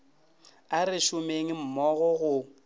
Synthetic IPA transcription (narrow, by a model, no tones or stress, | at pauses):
arɪʃʊmeŋ̩m̩mɔɣɔɣʊ